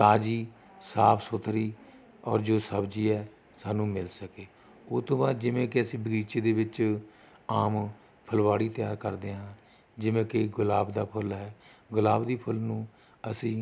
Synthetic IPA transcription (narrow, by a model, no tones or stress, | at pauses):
t̪aːd͡ʒiː | saːpʰsʊt̪ɾiː | ɔ̰ːɾd͡ʒoːsəbd͡ʒiːɛː | saːnũːmɪlsəkeː | oːt̪ʊ̃ːʋãːd͡ʒɪʋẽːkɪəsĩːbəɡiːt͡ʃeːd̪eːʋɪt͡ʃ | aːm | pʰəlʋaːɽiːt̪ɪjaːɾkəɾd̪eːɦãː | d͡ʒɪʋẽːkeɡʊlaːbd̪aːpʰʊlɦɛː | ɡʊlaːbd̪iːpʰʊlnũː | əsĩː